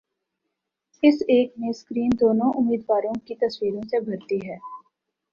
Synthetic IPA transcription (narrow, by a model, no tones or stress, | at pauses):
ɪseːkneskɾiːnd̪oːnõʔʊmːiːd̪ʋaːɾõkit̪ɐswiːɾõsebʱɐɾt̪iɦɛː